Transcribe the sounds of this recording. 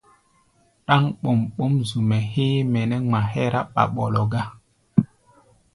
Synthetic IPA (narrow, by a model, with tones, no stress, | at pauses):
ɗa˦ŋɓo˨mɓo˦mzu˨mɛ˨heː˦mɛ˨nɛ˦ŋ͡ma˨hɛ˦ɾa˦ɓa̰˨ɓo˨lo˨ɡa˦